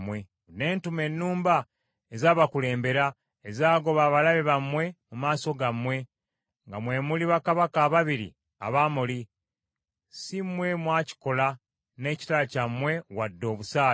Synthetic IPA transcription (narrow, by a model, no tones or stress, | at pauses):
mwe̞ | ne̞ːntume̞nːuːmba | ezaːβakule̞ːmbe̞ɾa | ezaːɡo̞βaːβalaβeβamwe̞mumaːso̞ɡamwe̞ | ŋɡamwe̞ːmuliβakaβakaːβaβiɾḭ | a̰βaːmuli | simwe̞mwaːci̥ko̞la | ne̞ːci̥talacamwe̞wadːo̞ːβusaː